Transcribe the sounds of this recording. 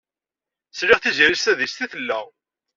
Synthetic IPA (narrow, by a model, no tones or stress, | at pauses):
slɪʁθiziɾist̪æðist̪iθəlːæʁ